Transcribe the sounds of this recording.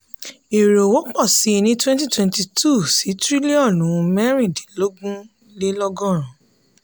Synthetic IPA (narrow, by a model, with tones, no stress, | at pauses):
e˨ɾo˨wo˨˦k͡pɔ˦˨si˨˦˧nĩ˦twɛ̃˦nt̬i˦˨twɛ̃˧nti˧tʰu˦˨si˨˦tɾi˦li˦ɔ˦˨nũ˨˦˧mɛ˦ɾ̃ĩ˦˨di˨lo˦ɡũ˦ | le˦lɔ˦ɡɔ̃˦˨ɾ̃ũ˨